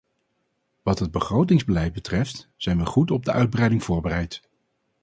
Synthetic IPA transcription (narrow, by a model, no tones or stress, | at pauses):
ʋɑtɦəd̚bəχrowtɪŋzbəlɛjd̚bətrɛftz̥ɛjnʋəχutɔb̚dəʔœɥd̚brɛjdɪŋv̥ʊːɹbərɛjt